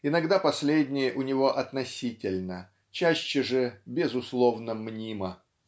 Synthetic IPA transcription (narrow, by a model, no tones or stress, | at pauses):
ɪnɐɡd̪apɐsʲlʲedʲnʲɪjəʔʊnʲɪvo̞ʔɐt̪nɐsʲitʲɪlʲnə | t͡ɕæɕːəʐɨbʲɪzʊslˠovnəmnʲimə